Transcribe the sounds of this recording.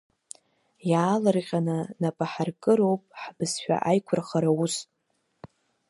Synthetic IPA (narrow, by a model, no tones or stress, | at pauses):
jaːlɨrqʲʼanɨnapʼaħarkʼɨɾowpʼħbɨsʃᶣa̰ʔajkʷʰʊrχaɾaus